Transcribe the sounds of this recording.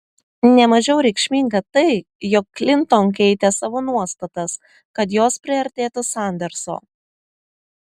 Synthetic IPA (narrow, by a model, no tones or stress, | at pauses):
nʲɛmɐʒʲɛʊɾʲɛɪkʃʲmʲiːŋɡɐt̪ɐɪ | jɔkːlʲɪnt̪ɔnkʲɛɪt̪ʲɛsɑːʋoːnuɔst̪ɐt̪ɐs | kɐt̪joːspʲɾʲɪɐɾʲt̪ʲeːt̪ʊsɑˑnʲd̪ʲɛɾso̰ː